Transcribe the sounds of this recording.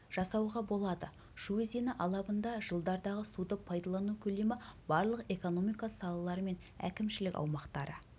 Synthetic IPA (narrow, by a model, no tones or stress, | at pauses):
ʒ̥ɑsɑwʁɑbo̞lˠɑd̪ə | ʒ̥uezenɪʔɑlˠɑbənd̪ɑʒəlˠd̪ɑɾd̪ɑʁəsud̪əpʰːɑjd̪ɑlˠɑnukʲʰɵle̞mɪbɑɾlˠəqe̞ko̞no̞mijkɑsɑlˠɑlˠɑɾəme̞n | æ̰kʲɪmʃɪlɪkʲɑ̰wmɑqt̪ɑɾə̰